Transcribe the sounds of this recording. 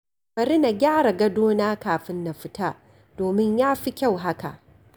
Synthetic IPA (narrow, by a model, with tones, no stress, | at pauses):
bɐ˨ɾɪ˦na˨ɡʲaː˦ɽa˨ɡɐ˦doː˦naː˦kaː˨ɸɪ˦nːa˨ɸɪ˦taː˦ | d̥oː˨mɪ˦ɲjaː˦ɸi˦kʲa˦˨wɦa˦ka̰˨ʔ